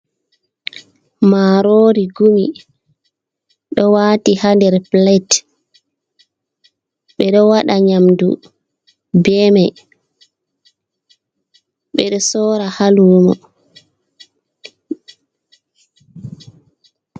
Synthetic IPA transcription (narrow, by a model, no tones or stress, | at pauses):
maɾoːɾiɡumi | ɗɔwaːtihandɛɾplɛt | ɓɛɗɔwaɗaɲamdṵ | bɛmɛ | ɓɛɗɔsɔːɾahaluːmɔ̰